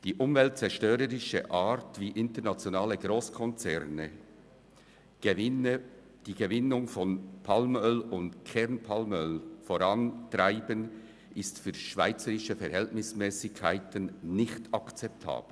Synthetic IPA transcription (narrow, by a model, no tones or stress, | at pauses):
d̥iːʔʊmvɛlt̚t͡sɛʃtøːɾəɾɪʃə̰ʔaːɾtviːʔɪntəɾnat͡sjonaːləɡɾoːskʰɔnt͡sɛʁnə | d̥iːɡ̥əvɪnʊŋfɔnpʰalmœlʊndkʰɛʁnpʰalmœlfoɾɑntraɪbən | ʔɪstfyːʃv̥a̰ɪt͡səɾɪʃəfɛɾhɛltnɪsmɛːsɪkʰːaɪtənnɪçtɑkt͡sɛp̚tʰa̰ːb̥l̩